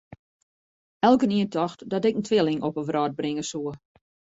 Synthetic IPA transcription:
ɛlˠkəniəntʰɔxtdɔtɛkn̩tʰʋɪlɪŋʔɔpəʋrɔːd̚brɪŋəsuə

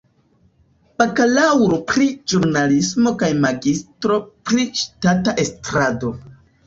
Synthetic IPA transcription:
pakalawɾopɾid͡ʒuɾnalismo̞kajmaɡistɾo̞pɾiʃtataʔe̞stɾado̞

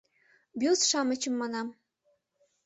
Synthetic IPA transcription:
bʲuzʃɑmə̆t͡ɕə̆mːɑnɑm

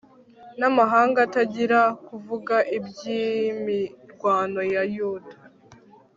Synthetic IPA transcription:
namaɦaːŋɡataɟiɾakuvuɡaʔibjimiɾɡwaːno̞jajuːtḁ

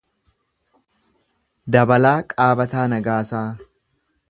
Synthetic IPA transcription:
d̪ɐbɐlaːkʼaːbɐt̪aːnɐɡaːsaː

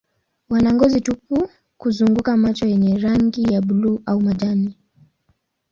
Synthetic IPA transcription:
wanaŋɡɔzitupu | kuzuŋɡukamat͡ʃɔjɛɲɛɾaŋɡijaɓuluːʔaumaʄani

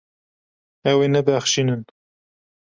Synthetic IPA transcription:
ɛwenɛbæxʃinɨn

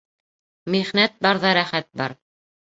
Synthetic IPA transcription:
miʁnæt̪̚bɑɾðɑɾæχæt̪̚bɑ̰ɾ

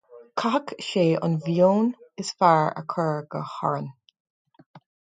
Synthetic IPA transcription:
kʰakʃeːʔɑ̰nvjoːnɪsfaːɹə̰kʰɜːɹɡ̥əhɔ̰ɹən

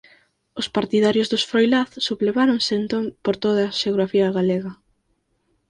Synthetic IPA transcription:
ʊspaɾt̪ið̞aɾjʊzðʊsfɾojlaθsuβleβaɾoŋsɪent̪oŋpoɾt̪oð̞ɐːʃeoɣɾafiɐɣaleɣɐ

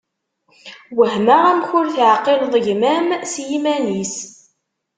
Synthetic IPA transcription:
wəhmaʁæmçʊɾθʕqːelðˤʝmæmsjimænis

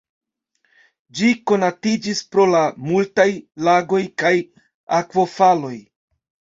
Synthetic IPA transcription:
d͡ʒiko̞natid͡ʒispɾo̞lamultajlaɡo̞jkaj | akvo̞falo̞j

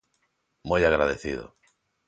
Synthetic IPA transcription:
mujaɣɾaðeθiðo̰

